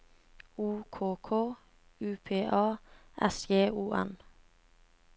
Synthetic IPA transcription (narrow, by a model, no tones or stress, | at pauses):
uːkʰoːkʰoː | ʉːpʰeːʔɑːʔɛsɡeːʔuːʔɛ̰n